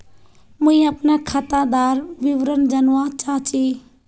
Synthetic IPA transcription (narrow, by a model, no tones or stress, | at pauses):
muĩəpnakʰat̪ad̪aɾʋiʋɾənd͡ʒənwat͡ʃaɦt͡ʃi